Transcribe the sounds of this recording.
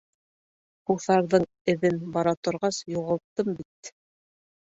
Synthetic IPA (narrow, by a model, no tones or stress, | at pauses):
huθɑɾðɤɴ | ɘ̆ðɘnbɑɾɑt̪ŏɾʁɑsjuʁɑlˠt̪ːɤmbit̪̚